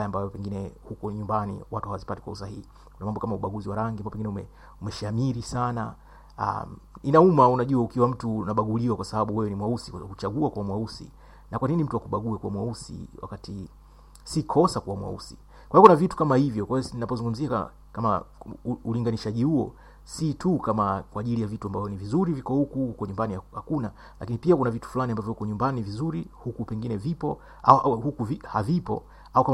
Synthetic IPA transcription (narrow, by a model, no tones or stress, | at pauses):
ajambajɔpɛŋɡinɛhukɔɲumbanḭwatuhawazipatikwa̰us̬ahihi | kunamambɔkamauɓaɠuziwaɾaŋɡimbaɔpɛɡinɛumɛ | umɛʃamiɾisana | a̰minaumaunaʄuaukiwam̩tunaɓaɡuliwakwasaɓaɓuwɛwɛnimwausiut͡ʃaɡuakuwamwausḭ | nakwaninim̩tuwakuɓaɡuɛkuwamwausḭwa̰kati | sikʰɔsakuwamwa̰ṵsi | kwaiɔkunavitu̥kamahivjɔkwajninapɔzuŋɡum̩zia | kama̰ | uliŋɡaniʃaʄihuɔ̰ | sitʰukamakwaːʄilijavituambavjɔnivizuɾivikɔhukuhukɔɲumbanihakuna | lakinipiakunavitu̥fulaniambavjɔhukɔɲumbanivizuɾihukupɛŋɡinɛvipɔ | a̰hukuvihavipɔ̰ | aukam